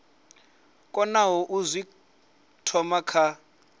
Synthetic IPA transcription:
kʼɔnawɔʔuzʷi | tʰɔmakʰa

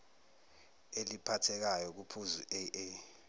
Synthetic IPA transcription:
elipʰatʰɛk̬ajɔk̬upʰuzuʔee

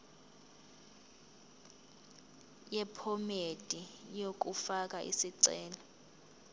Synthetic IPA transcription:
jɛpʰɔmed̥ʱʼijok̬ʼufak̬ʼaʔḭsiǀɛːlɔ

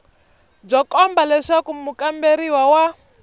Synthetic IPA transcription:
b͡ʐɔkɔmbalɛʂakumukambeɾiwawa

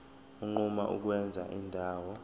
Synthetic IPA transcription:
uŋ͡ǃuma̰ʔṵk̬wɛnd͡zʱa̰ʔindʱaːwɔ

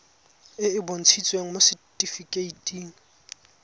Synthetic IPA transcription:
ɪɪbon̩t͡sʰit͡sʼweŋ̩mosɪtʼifikʼeitʼiːŋ̩

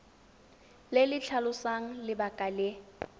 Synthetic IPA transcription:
lelɪt͡ɬʰalʊsaŋ̩lɪbakʼalɪ

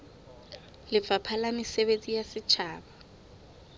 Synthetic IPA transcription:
lɪpfapʰalamɪseβet͡sʼijasɪt͡ʃʰaːba

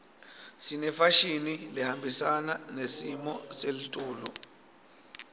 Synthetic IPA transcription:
sinɛfaʃinilihambʱisananesimɔselitʼuːlɔ

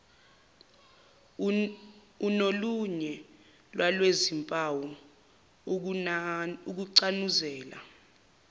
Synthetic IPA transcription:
unoluɲɛ | lwʔalwezimpʼawɔ | uk̬uǀanuzɛːla̰

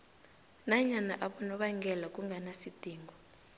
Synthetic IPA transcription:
naɲanaʔaɓɔnɔɓaŋɡʱɛlakʼuŋɡʱanasid̥ʱiːŋɡʱɔ

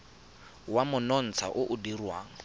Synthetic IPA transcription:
wamʊnɔn̩t͡sʰa̰ʔʊʔʊdirwaːŋ̩

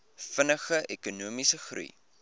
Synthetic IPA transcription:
fənəχəʔekunuəmisəχrṵj

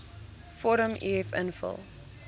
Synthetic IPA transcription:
fɔɾəmʔḭɛfə̰nfə̰lˠ

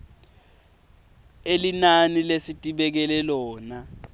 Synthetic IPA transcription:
elinanilesitʼiɓɛk̬ɛlɛlɔːna

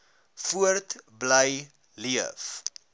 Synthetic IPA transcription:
fuərtbləj | liəf

